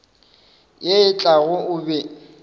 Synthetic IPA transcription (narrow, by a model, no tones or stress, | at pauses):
jeɪt͡ɬʼaɣʊʊbɛ